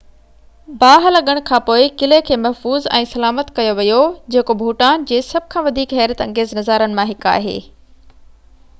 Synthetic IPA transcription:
baːɦlɐɠəɽ̃kʰãːpoːɪkɪlekʰeːmɐɦfuːzɛ̰̃ːsɐlaːmət̪kɐjoʋijod͡ʑeːkobʱuːʈaːnd͡ʑeːsɐb̚ʱkʰãːʋɐd̪ʱiːkɦɛːɾət̪ɐ̃ŋɡeːznɐzaːɾənɪ̆mãɦɪka̰ːɦḛː

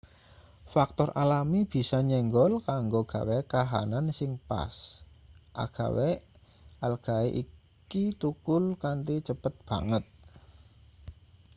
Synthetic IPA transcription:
fak̚t̪ɔralamib̥i̤saɲɛŋɡɔlkaŋɡoɡ̥ä̤wɛkaɦa̰nansɪŋpa̰s | ʔa̰ɡ̥a̤wɛ | ʔalɡ̥a̤eʔi | kit̪ukʊlkant̪it͡ʃəpət̪̚b̥a̤ŋət̪̚

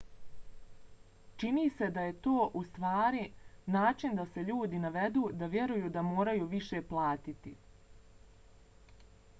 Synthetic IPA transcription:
t͡ʃiniːse̞d̪aje̞t̪o̞ːʔust̪ʋaːɾinaːt͡ʃind̪ase̞ʎuːd̪inaʋe̞d̪uːd̪aʋje̞ɾujuːd̪amo̞ːɾajuːʋiʃe̞ːplˠaːt̪it̪ḭ

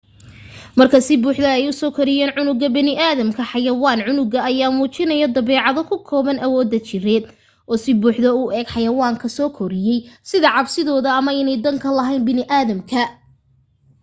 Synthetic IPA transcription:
mɐrkʰɐsɪbuːħðɐɛjʊsɔːkʰɔɾɪjɛːnʕʊnʊɣɐbɐnɪʔaːðɐmkʰɐħɑjɐwaːnʕʊnʊɡɐːjaːmuːt͡ʃɪnɐjɔd̪ɐβɛːʕɑðɔkʰʊkʰɔːβɐnɐwɔːd̪ːɐt͡ʃɪrɛːd̪ | ʔɔːsɪbuːħðɐʊɛːɡħɑjɐwaːŋkʰɐsɔːkʰɔɾɪjɛjsɪðɐʕɑbsɪðɔːðɐːmɐɪnɛjd̪ɐŋkʰɐlɐɦɛjnbɪnɪʔaːðɐmkʰɐ

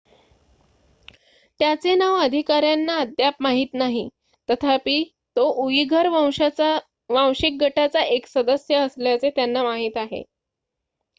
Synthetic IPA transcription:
t̪jat͡senaʋəd̪ʱikaɾjanːaəd̪jap̚maɦiːt̪naɦi | t̪ət̪ʰapiː | t̪oʔuiɡʱəɾ | ʋãw̃ɕik̚ɡəʈat͡saʔeksəd̪əsjəəsljat͡set̪janːamaɦiːt̪aɦḛ

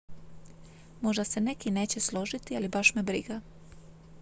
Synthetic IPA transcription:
mo̞ʒd̪ase̞ne̞kine̞ːt͡ɕe̞slˠo̞ʒit̪ialibaʃmebɾḭɡa

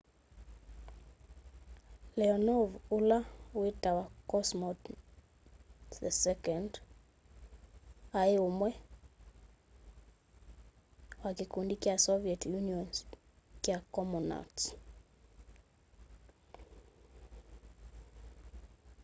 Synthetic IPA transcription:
lɛɔnɔvulawetawakɔsmɔt | ðɛsɛkɛnd | aeomwɛ | wakɪkundikjasɔviɛtjuniɔns | kjakɔmɔna̰t

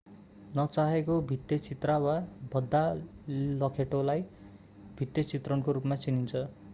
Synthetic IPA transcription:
nʌt͡saɦekobʱit̪ːjʌt͡sit̪rawabʱʌd̪ːa | lʌkʰeʈolaj | bʱit̪ːjʌt͡sit̪rʌnkoɾupmat͡sinint͡sʰʌ

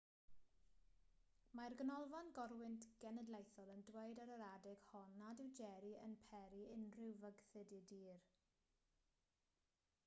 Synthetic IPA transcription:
marɡənɔlˠvanɡɔrwɪntʰɡ̥ɛnədlejθɔlˠəndweɨdaɾəɾadɪɡ̥hɔnadɪwd͡ʒɛɾiə̰npʰɛɾiɪnrɪwvəɡθɨdɪdiːr

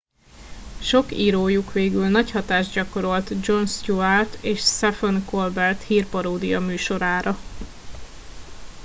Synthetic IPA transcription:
ʃo̞kiːɾoːjukʋeːɡylnɒchɒt̪aːʒɟɒko̞ɾo̞lt̪d͡ʒo̞nst̪uart̪eːʃsɛfonko̞lbɛrt̪hiːrpɒɾoːd̪ijɒmyːʃo̞ɾaːɾɒ

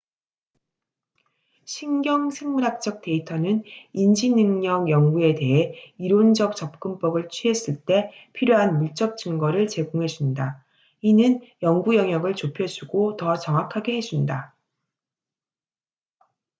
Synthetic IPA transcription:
ɕʰinɡjʌŋsʰeŋmuɾak̚t͡ɕ͈ʌk̚t͈e̞itʰʌnɯnind͡ʑinɯŋɲʌɡjʌŋɡue̞de̞ɦe̞iɾond͡ʑʌk̚t͡ɕ͈ʌp̚k͈ɯmp͈ʌɡɯɭt͡ɕʰɥiɦe̞s͈ɯɭt͈e̞pʰiɾjoɦanmuɭt͡ɕ͈ʌk̚t͡ɕ͈ɯŋɡʌɾɯɭt͡ɕe̞ɡoŋɦe̞d͡ʑunda | inɯnjʌŋɡujʌŋjʌɡɯɭt͡ɕopʰjʌd͡ʑuɡotʌt͡ɕʌŋwakʰaɡe̞ɦe̞d͡ʑunda

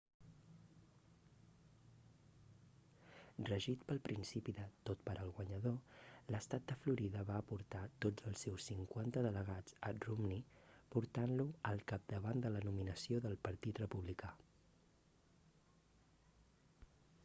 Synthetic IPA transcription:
rəʒit̪pəlˠpɾinsipiðət̪ot̪pəɾʔəlˠɣwəɲəðoləst̪at̪̚d̪əfluɾiðəβaəpuɾt̪at̪od͡zəlˠsewsːiŋkwant̪əðələɣ̞ad͡zə̰rumnipuɾt̪anluəlˠkap̚d̪əβand̪ələnuminəsioðəlˠpəɾt̪it̪rəpuβlika

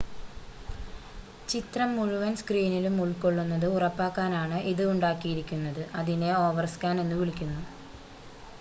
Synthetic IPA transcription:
t͡ɕit̪rɐmːuɻuʋɐnskriːnilumuɭkːo̞ɭːunːɐðɨurɐpːaːkːaːnaːɳɨʔiðɨuɳɖaːkːijiɾikʲːunːɐðɨʔɐðineo̞ːʋɐrskaːne̞nːuʋiɭikʲːunːu

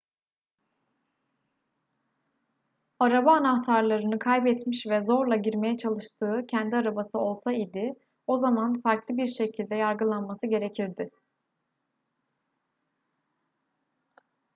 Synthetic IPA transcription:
aɾabaːnaxt̪ʰaɾlˠaɾɯnɯkʰajbɛt̪miʃvɛzo̞ɾlˠaɟiɾme̞jɛt͡ʃʰalˠɯʃt̪ʰɯːcʰɛnd̪iaɾabasɯo̞lˠsaid̪ɪ | o̞zamanfaɾklˠɯbiɾʃe̞cʰilʲd̪ɛjaɾɡɯlˠanmasɯɟe̞ɾe̞cʰiɾd̪ɪ

